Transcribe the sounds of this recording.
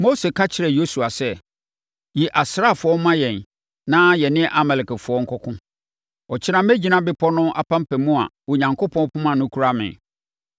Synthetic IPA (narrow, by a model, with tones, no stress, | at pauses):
mo˦se˨kʰa˦t͡ɕʰɪ˨ɾɛ˨jo˦su˨a˨sɛ˦˨ | ji˨ʔa˨sɾa˦˨fʊ˨ɔ˦mã˦jɛ̃˨n | nã˦jɛ˨nɪ̃˦ʔa˨mɛ˨lɪ˨kɛ˨fʊ˨˦ɔ˦ŋ̩˦kʰɔ˦kʰʊ̃˦ | ɔ˨t͡ɕʰɪ˦nã˦mæ˦d͡ʑi˨˦nã˦bɪ˦pʰɔ˦nʊ̃˦ʔa˨pʰã˦m˦pʰæ˨mũ˦a̰˨wo˨ɲã˨ŋko˦pʰɔ̃˦pʰʊ̃˦mã˨nʊ̃˦kʰu˦ɾa˦mɪ̰̃˨